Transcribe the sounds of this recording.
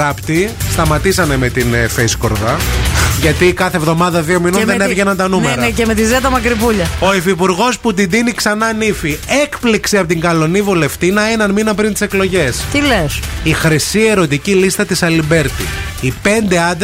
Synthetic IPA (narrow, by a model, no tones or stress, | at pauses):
ɐpt̪ist̪ɐmɐt̪isɐne̞me̞t̪infejsko̞ɾðɐʝɐt̪ikɐθe̞vðo̞mɐðɐðio̞minonðeneɾʝenɐnt̪ɐnunmeɾnemet̪izet̪ɐmɐkɾipuʎɐo̞ifipuɾɣo̞sput̪̬id̪iniksɐnɐnifie̞kpliksiɐpot̪iŋɡɐlo̞nivule̞ft̪inɐe̞nɐnminɐpɾint̪iseklo̞ʝe̞st̪ilesixɾisie̞ɾo̞t̪icilist̪ɐt̪isɐlimbe̞ɾt̪ḭipe̞nd̪e̞ɐd̪